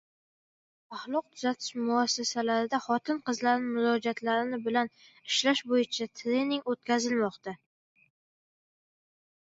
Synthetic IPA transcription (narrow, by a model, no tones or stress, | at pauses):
pɑχlˠʊq̚t̪ʰʊzat̪ʰɪ̥ʃmʊasːasalaɾɪd̪aχɒt̪ʰɪnqɨzlaɾnɪmʊɾɒd͡ʒat̪ʰlaɾɪnɪbɪlanɪʃlaʃbojɪt͡ʃʰat̪ʰɾe̞nɪŋot̪̚kʲʰazɪlmɒqt̪a